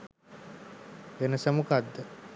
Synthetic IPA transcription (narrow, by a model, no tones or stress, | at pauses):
enəsəmukad̪ːə